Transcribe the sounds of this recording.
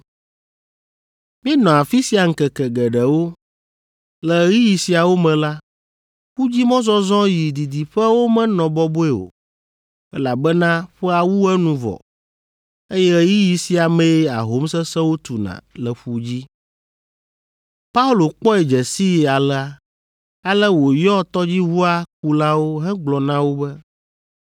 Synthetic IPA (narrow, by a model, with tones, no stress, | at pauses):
mĩ˦ɛ˦nɔ̃˨a˨fi˦si˦a˨ŋ̩˦kɛ˨kɛ˨ɡɛ˨ɖɛ˨wo˦ | lɛ˨ə˨ɣi˦ji˨si˨a˨wo˦mɛ̃˨la˦ | ɸu˦d͡ʑi˦mɔ̃˦zɔ̃˦zɔ̃˦ji˨d̪i˨d̪i˨ɸɛ˦wo˦mɛ̃˦nɔ̃˨bɔ˦bo˦ɛ˦o̰˨ | ɛ˦la˨bɛ˦nã˦ɸɛ˦a˨wu˦ɛ˦nũ˨vɔ̰˨ | e˦jɛ˦ji˦ji˨si˨a˨mɛ̃˦a̰˨ɦo˦msɛ˦sɛ˦wo˦t̪u˨nã̰˨lɛ˨ɸu˦d͡ʑi˦ | pa˦u˦lo˨k͡pɔ˦ɛ˨d͡ʒɛ˨si˦˨a˨lɛ˦a˦ | a˦lɛ˦wo˨jɔ˦t̪ɔ˦d͡ʑi˦ɦu˦a˦k̚u˦la˦wo˦ɦɛ̃˦ɡ͡blɔ˨nã˦wo˦bɛ˦